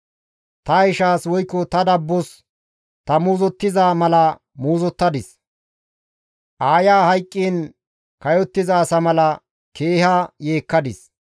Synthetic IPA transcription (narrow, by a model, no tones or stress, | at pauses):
t̪ɐɪʃaːswɔjkːɔt̪ɐd̪ɐbːɔs | t̪ɐmuːzɔt̪ːɪzaːmɐlɐ | muːzɔt̪ːɐd̪ɪs | ʔaːjaːhɐjkʼːiːn | kɐjɔt̪ːɪzaːsɐmɐlɐ | kʰe̞ːhɐje̞ːkːɐd̪ɪs